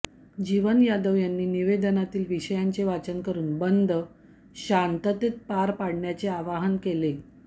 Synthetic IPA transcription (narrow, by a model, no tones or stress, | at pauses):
d͡ʑiʋənjad̪əʋjanːiːniʋed̪ənat̪iːlʋiɕəjaɲt͡seʋat͡sənkəɾuːnbənd̪ʱə | ɕant̪ət̪et̪̚paɾpaɽ̤ɳjat͡seaʋaɦənkele